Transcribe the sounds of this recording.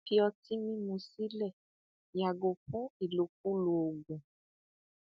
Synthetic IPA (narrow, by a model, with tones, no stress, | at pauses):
fi˦ɔ˧ti˦mĩ˦mũ˨si˦lɛ˦˨ | ja˨ɡo˨kũ˦i˨lo˨k̚u˦lo˨o˨ɡ͡bũ˨